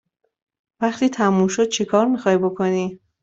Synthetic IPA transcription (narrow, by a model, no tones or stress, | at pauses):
væχt̪ʰiːt̪ʰæmumʃod̪̥̚t͡ʃʰekʰɒːɾmixɒːjbo̞kʰo̞niː